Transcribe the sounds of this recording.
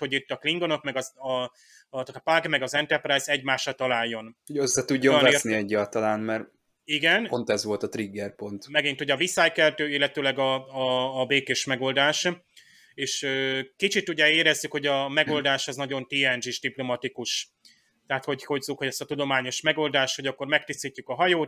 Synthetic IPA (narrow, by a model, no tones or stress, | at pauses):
ho̞ɟit̪ːɒkliŋɡo̞no̞kmɛɡɒzɒ | paɡmɛɡɒzɛnt̪ɛrprajzɛɟmaːʃːɒt̪ɒlaːjːo̞nhoɟøsːɛt̪uɟːonveniɛɟːaːlt̪ɒlaːnmɛr | iɡɛnont̪ɛzʋo̞lt̪ɒt̪riɡːɛrpo̞nt̪mɛɡint̪ho̞ɟɒvisaːjkɛlt̪øːilːɛt̪øːlɛɡɒː | beːkeːʃmɛɡo̞ld̪aːʃ | eːʃøːkit͡ʃit̪uɟɛeːɾɛzːykho̞ɟɒmɛɡo̞ld̪aːʃɛznɒɟo̞nt̪iːɛnd͡ʒiʒd̪iplo̞mɒt̪ikuʃ | t̪ɛɦat̪ho̞ɟho̞ɟzukhoɟɛst̪ɒt̪ud̪o̞maːɲo̞ʃmɛɡo̞ld̪aːʃtho̞ɟɒkːo̞rmɛk̚t̪ist̪icːykɒɦɒjoːt̪